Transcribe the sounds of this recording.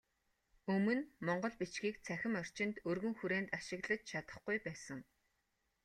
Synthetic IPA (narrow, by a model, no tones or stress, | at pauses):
ɵmɵ̆nmɔɴɢɞ̆ɮpit͡ɕɡiːkt͡sʰæxʲɪ̆mœr̥t͡ɕɪ̆nt̪ɵrɣɵ̆ŋxuɾeːnt̪aʃɪ̆ɣɮə̆t͡ɕt͡ɕʰat̪ə̥̆χɡujpæːsə̆ŋ